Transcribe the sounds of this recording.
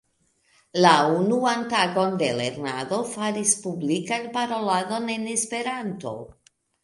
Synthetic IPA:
launuantaɡo̞nde̞le̞̰ɾnado̞faɾispublikanpaɾo̞lado̞ne̞ne̞spe̞ɾanto̞̰

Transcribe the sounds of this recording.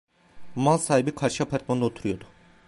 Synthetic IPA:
malˠsaːhibikʰaɾʃiapʰaɾt̪̚mand̪aot̪ʰuɾujo̞d̪ʊ

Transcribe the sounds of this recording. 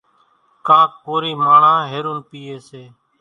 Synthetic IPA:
kãːkkoːɾiːmaːɳãːɦeːɾuːnpiːeːseː

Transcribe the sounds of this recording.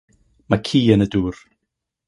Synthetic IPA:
makʰiːənəduːr

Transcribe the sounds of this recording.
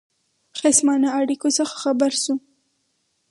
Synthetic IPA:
xesmɑnaaɽikosəxḁxabaɾsu

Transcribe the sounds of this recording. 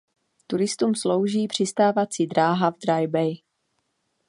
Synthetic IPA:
t̪uɾɪst̪uːmslowʒiːpr̝̥ɪst̪aːvat͡siːd̪ɾaːɦavd̪ɾajbɛj

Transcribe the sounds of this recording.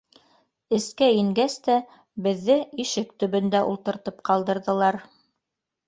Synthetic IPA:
ɘ̆skæiŋɡæst̪æ | bɘ̆ðːɘiʃɘkt̪ɵ̆βɵ̆nd̪æʔṵlˠt̪ɤ̆ɾt̪ɤp̚qɑlˠd̪ɤ̆ɾðɤ̆lˠɑɾ

